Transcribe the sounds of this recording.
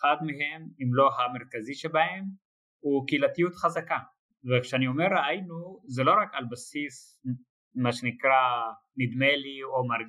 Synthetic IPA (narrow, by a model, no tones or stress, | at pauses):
χad̪meɦemimlo̞ɦameʁkaziʃebahem | ukiilat̪ijut̪χazaka | vekʃeaniomeɾaajnuzelo̞ʁakalbasis | maʃenikʁa | mid̪meliomaɾɡ